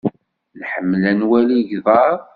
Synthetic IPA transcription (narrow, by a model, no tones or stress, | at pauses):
lħəmːlænwæliʝðˤɑɾˤ